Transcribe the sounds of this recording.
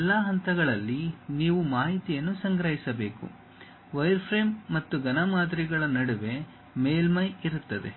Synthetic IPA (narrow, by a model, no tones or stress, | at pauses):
ɛlːaːɦɐnt̪ɐɡɐɭɐlːiniːʋumaːɦit̪ijɐnːusɐŋɡɾɐɦisɐbe̞ːkṵ | ʋɐjɾpʰɾeːmːɐt̪ːuɡɐnɐmaːd̪ɾiɡɐɭɐnɐɽuʋe̞ | meːlmɐjiɾut̪ːɐd̪ḛ